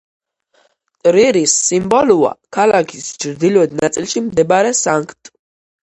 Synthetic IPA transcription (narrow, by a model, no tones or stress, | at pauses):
t̪ʼɾiɾisːimbɔlua̰kʰalakʰist͡ʃʰɾd̪ilɛd̪nat̪sʼilʃimd̪ɛbɾɛsaŋkʰt̪ʼ